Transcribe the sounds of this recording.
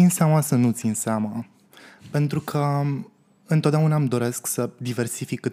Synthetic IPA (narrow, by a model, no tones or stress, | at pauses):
inseamasənut̪sinseama | pe̞nt̪ɾukʰə | ɨnt̪ot̪d̪ʲeunamd̪o̞ɾe̞sksəd̪ive̞rsifikːɨ